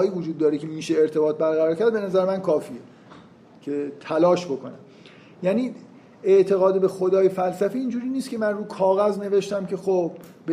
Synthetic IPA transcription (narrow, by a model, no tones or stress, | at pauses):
jiːvod͡ʒuːd̪ːɒːɾecʰe̞miːʃe̞ːɾt̪ʰe̞bɒːt̪̚bæɾɣæɾɒːɾcʰæɾd̪̚be̞næzæɾemænkʰɒːfiːe | cʰe̞t̪ʰælɒːʃbo̞kʰo̞næm | jæːniː | eʔt̪ʰe̞ɣɒːd̪ebe̞xod̪ɒːjefælsæfiiːnd͡ʒuːɾiːniːst̪̚cʰe̞mænruːkʰɒːɣæzne̞ve̞ʃt̪æmcʰe̞xob̚ː | e